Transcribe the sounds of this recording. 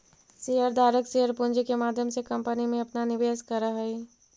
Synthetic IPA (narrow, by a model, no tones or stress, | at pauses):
siɦəɾd̪aːɾəksiɦəɾpund͡ʒkemaːd̪ʱjəmsekəmpənimẽɐpnanɪʋeːskəɾəɦəi